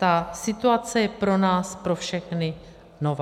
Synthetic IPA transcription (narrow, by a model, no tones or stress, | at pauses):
t̪asɪt̪uat͡sɛjɛpɾo̞naːspɾo̞fʃɛxnɪ | nova